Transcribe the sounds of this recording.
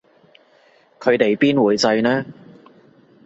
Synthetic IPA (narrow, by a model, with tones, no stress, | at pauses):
kʰɵ˨˧ɥt̪e˨jpiː˥nwuː˨˧jt͡sɐ˧jnɛː˥